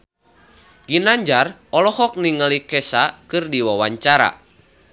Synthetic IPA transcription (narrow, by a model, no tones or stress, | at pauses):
ɡ̥inaɲd͡ʒarɔlɔhɔk̚niŋəlikɛsakɨrdiwawaɲt͡ʃaɾa̰